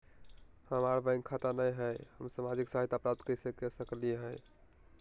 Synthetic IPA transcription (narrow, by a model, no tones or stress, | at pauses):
həmaɾbə̃ɪ̃ŋɡkʰat̪anəjɦɛjhəmsamad͡ʒiksaɦijt̪apɾap̚t̪kəɾisekesəklieɦɛ